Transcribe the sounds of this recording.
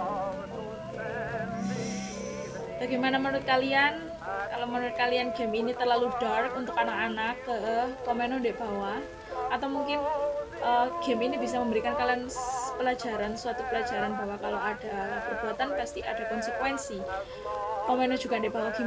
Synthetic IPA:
b̥aɡemanamənuɾʊt̪̚kalian | kalomənuɾʊt̪̚kalianɡ̥ɛ̤minit̪ərlalud̥arkunt̪ʊkanakanakːəkɔmenɔndɛʔb̥a̤wa | ʔat̪awmuŋkɪnʔəɡ̥ɛminibisaməmbəɾikankalianpəlad͡ʒa̤ɾansuat̪upəlḁd͡ʒaɾanbawakalowad̥apərb̥uat̪anpast̪iʔad̥akɔnsəkwɛnsi | kɔmenɔd͡ʒ̥uɡ̥andeʔb̥awaɡ̥i

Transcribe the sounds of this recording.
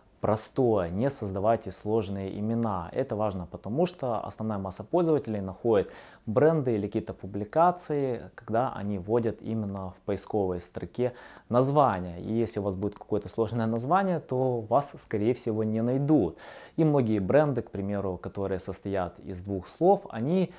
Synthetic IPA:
pɾɐst̪o̞jənʲɪsəzd̪ɐvajtʲɪslˠo̞ʐnɨjəʔɪmʲɪnaɛ̰t̪əvaʐnəpət̪ɐmuʂt̪oɐ̰snɐvnajəmasːəpolʲzəvətʲɪlʲɪjnɐxo̞dʲɪt̪ | bɾɛnd̪ɨilʲɪkʲijt̪əpʊblʲɪkat̪sɨɪkɐɡd̪aʔɐ̰nʲivo̞dʲət̪ḭmʲɪnːəfpəɪsko̞vəjst̪ɾɐkʲenɐzvanʲɪjəḭjesʲlʲɪʊvasbudʲɪt̪kɐ̥ko̞jət̪əslˠo̞ʐnəjənɐzvanʲɪjət̪o̞vasːkɐɾʲejɪfsʲɪvo̞nʲɪnɐjd̪ut̪imno̞ɡʲɪjəbɾɛnd̪ɨkpɾʲɪmʲe̞ɾʊkɐt̪o̞ɾɨjəsəst̪ɐjat̪ɪ̰zd̪vuxslˠo̞fɐ̰nʲi

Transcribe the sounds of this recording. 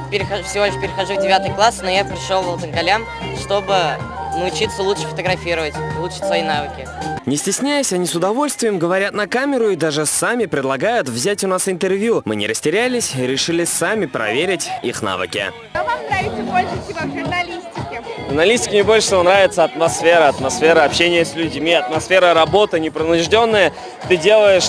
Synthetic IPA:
pʲɪɾʲɪxfsʲɪvo̞lʲɪʂpʲɪɾʲɪxɐʐuvdʲɪvʲat̪ɨjklˠasnojapɾʲɪʂolˠvəlˠt̪əmɡɐlʲam | ʂt̪obɨnɨʊt͡ɕit̪səlˠut̪ʂə̥fət̪əɡɾɐfʲiɾəvətʲilˠut͡ʃɨ̥tʲsvɐinavɨkʲɪnʲɪsʲtʲɪsʲnʲæjʊsʲɐnʲisʊd̪ɐvo̞lʲst̪vʲɪjəmɡəvɐɾʲat̪nɐkamʲɪɾʊid̪aʐɨsamʲɪpɾʲɪd̪lˠɐɡajʊt̪vzʲætʲʊnasɪnt̪ərvʲjumɨ̰nʲɪ̰ɾəsʲtʲɪɾʲælʲɪsʲɾʲɪʂɨlʲɪsamʲɪpɾɐ̰vʲeɾʲɪtʲḭxna̰vɨ̰kʲɪ̰ | amaɪbolʲʂʲʊnɐlʲisʲtʲɪkʲɪʐʊrnɐlʲisʲtʲɪ̥kʲɪnʲɪbo̞lʲʂə̥svonɾavʲɪt̪səɐt̪mɐsfʲeɾəɐt̪mɐsfʲeɾəɐpɕenʲɪjəsʲlʲʉdʲmʲiɐt̪mɐsfʲe̞ɾəɾɐbo̞t̪ɨnʲɪpɾənʊʐdʲo̞nːəjə | t̪ɨdʲe̞lˠəjɪʂ

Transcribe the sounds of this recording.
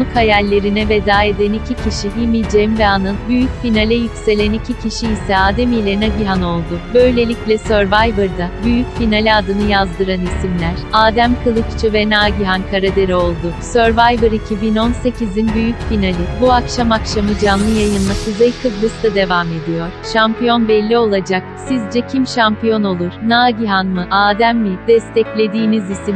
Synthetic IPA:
mɯkhajalʲːe̞ɾinɛve̞d̪aːe̞d̪ænicʰicʰiʃiɦimid͡ʒemvɛanɯnbyjycfinalʲɛjycse̞lʲænicʰicʰiʃiːsɛaːd̪emijlʲenaɟiɦano̞lˠd̪ʊbø̞jlʲe̞lʲiclʲɛsøɾvajvɯɾd̪abyjycfinalʲiad̪ɯnɯjazd̪ɯɾanisimlʲæɾ̥aːd̪æmkʰɯlˠɯkt͡ʃʰɯvɛnaːɟiɦankʰaɾad̪eɾio̞lˠd̪ʊsøɾvajbɯɾicʰibino̞nse̞cʰizinbyjycfinalʲibuakʃamakʃamɯd͡ʒanlˠɯjajɯnmasɯzajkʰɯblˠɯst̪ʰad̪e̞vame̞d̪ijo̞ɾ̥ʃampijo̞nbɛlʲːio̞lˠad͡ʒak̚sizd͡ʒɛcʰimʃampijo̞no̞lˠuɾ̥naːɟiɦanmɯʔaːd̪æmːid̪̥ɛst̪ʰɛclʲe̞d̪iːnizisim

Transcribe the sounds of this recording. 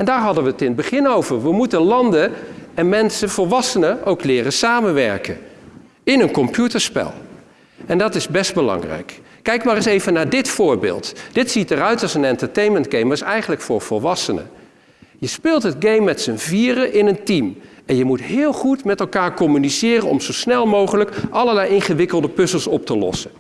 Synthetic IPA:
ɛndaːɹɦɑdənʋəətɪnəd̚bəχɪnowvəɹʋəmutənlɑndəɛnmɛnsəv̥ɔlˠʋɑsənəʔowklɪːrəsaːmənʋɛ̰ɹkə̰n | ɪnənkɔmpjutəɹspɛ̰lˠ | ɛndɑtɪzbɛst̚bəlɑ̰ŋrɛ̰jkː | ɛjkmaːɾɪsejvənaːɹdɪtfʊːɹbɪ̰ːlˠtd̥ɪtsitəɾœɥtɑlˠsənɛntəɹtejnməndɡejməsɛjχənləkfʊːɹv̥ɔlˠʋɑsənə̰ | jəspɪːlˠtɦəd̚ɡejmːɛtsənviːrəʔɪnəntimɛnjəmutɦɪːlˠχutmɛtɛlˠkaːɹkɔmynisɪːrənɔ̰mzowsnɛlˠmowχələkʔɑləlɛjɪnχəʋɪkəlˠdəpɵsəlˠsɔp̚təlɔ̰sə

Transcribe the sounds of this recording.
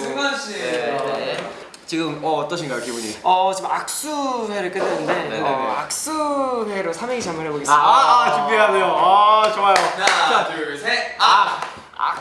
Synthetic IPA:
umaɕʰiene | t͡ɕiɡɯmʌːt͈ʌɕʰiŋɡajokibuɲḭʌt͡ɕimak̚s͈ueɾɯɭk͈ɯdenɯndenkɯeea̰k̚s͈uheɾosʰameŋit͡ɕamɯnɦeboɡe̞s͈t͡ɕimbiɦanejoat͡ɕoajoaat͡ɕeɾesʰea | a̰

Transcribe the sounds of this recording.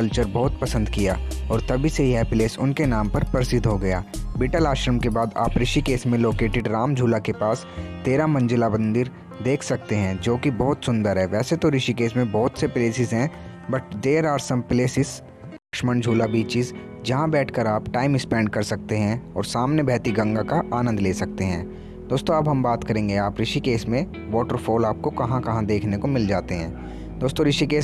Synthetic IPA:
ɐlt͡ʃəɾbɔːt̪pɐsə̃nd̪kija̰ːɔːɾt̪ɐbʱiseɦɦɛpleːsʊ̰nkenaːmpɐɾpəɾsɪd̪ɦoɡɐja̰ːbiːʈəlaːʃɾəmkebaːd̪a̰ːpɾɪʃikeːsmẽloːkeːʈɪɖɾaːmd͡ʒʱuːlakepaːs | t̪eːɾamɐ̃ɲd͡ʒɪlabə̃nd̪ɪɾ | d̪eːkʰsɐk̚t̪eɦɛ̃d͡ʒoːkibɔɦʊt̪sʊ̃nd̪əɾɦɛʋɛːset̪oɾɪʃikeːsmẽbɔːt̪sepleːsɪzɦɛ̃ː | bɐʈ̚ʰd̪eːɾaːɾsəmpleːsɪs | kʃməɳd͡ʒʱuːlabiːt͡ʃɪs | d͡ʒɐɦãbɛːʈʰkəɾaːpʈaːɪmɪkspɛ̃ːɳɖkɐɾsɐk̚t̪eɦɛ̃ɔːɾsaːmnebʱɛːt̪iɡɐ̃ŋɡakaʔaːnə̃nd̪leːsɐk̚t̪eɦɛ̰̃ː | d̪̥oːst̪õɐbɦɐ̃mbaːt̪kɐɾẽːŋɡeaːpɾɪʃikeːsmẽ | ʋɔːʈəɾfʰoːlaːp̚kokɐɦãkɐɦãd̪eːkʰnekomɪld͡ʒaːt̪eɦɛ̰̃ː | d̪oːst̪õɾɪʃikeːs

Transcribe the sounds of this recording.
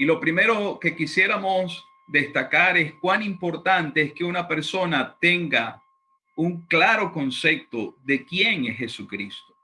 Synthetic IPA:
ilo̞pɾime̞ɾo̞ke̞kisje̞ɾamo̞s | d̪e̞st̪akaɾe̞skwanimpo̞ɾt̪ant̪e̞eske̞unape̞ɾso̞nat̪e̞ŋɡa | uŋklaɾo̞ko̞nse̞p̚t̪o̞ðe̞kje̞ŋesxe̞sukɾist̪o̥

